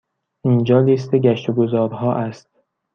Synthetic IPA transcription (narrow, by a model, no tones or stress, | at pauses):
ʔind͡ʒɒːliːst̪ʰe̞ɟæʃt̪oɡozɒːɾɦɒːʔæst̪̚